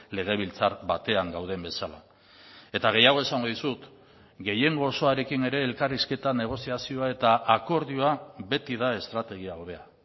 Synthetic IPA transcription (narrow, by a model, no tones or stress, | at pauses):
le̞ɣ̞e̞β̞ilt͡saɾβat̪e̞aŋɡawð̞e̞mbe̞sala̰ | e̞t̪aɣ̞e̞jaɣ̞o̞esaŋɡo̞ðisut̪ | ɡe̞je̞ŋɡo̞ːso̞aɾe̞kine̞ɾe̞ːlkariske̞t̪ane̞ɣ̞o̞siasio̞ae̞t̪aʔako̞ɾðio̞aβe̞t̪iðae̞st̪ɾat̪e̞ɣ̞iaoβe̞a